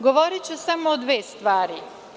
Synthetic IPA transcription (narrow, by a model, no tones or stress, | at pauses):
ɡoʋoɾit͡ɕusamoːd̪ʋeːst̪ʋaːɾi